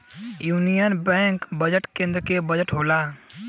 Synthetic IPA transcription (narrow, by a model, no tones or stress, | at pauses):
junijənbɛ̃ŋkbəd͡ʒəʈkẽnd̪ɾəkebəd͡ʒəʈɦola